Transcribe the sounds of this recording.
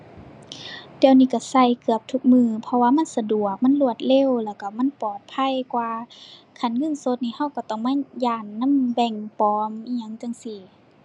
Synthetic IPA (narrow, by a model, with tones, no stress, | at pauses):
d̥ɛ˧˨wniː˧˥˩ka˧˩sa˧˩˨jkɯ˧˩əp̚t̪ʰu˧˦k̚mɯː˧pʰɔ˧waː˧˨ma˧˥˨nsa˧du˨˩ək̚ma˧˥˨nlu˧˩ət̪̚le˧˥˨wlɛː˧˩wka˧˩ma˧˥˨npɔː˨˩t̪̚pʰa˧˥˨jkwaː˧kʰa˧˩˨nŋɤ˧˥˨nso˧˦t̪̚niː˧˩˨ha˧˥˨wka˧˩t̪ɔ˧˩ŋmaː˧˥˨jaː˧˩nːa˧˥˨mbɛ˧˩ŋpɔː˧˩mʔiː˧˨ɲa˧˥˨ŋt͡ɕa˧˨ŋsi˧˩